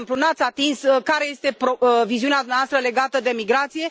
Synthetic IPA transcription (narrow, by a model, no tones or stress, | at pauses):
mplunat̪sʲat̪insskaɾe̞jest̪e̞pɾoviziunead̪umneavast̪ɾəle̞ɡat̪əd̪e̞miɡɾat̪sije̞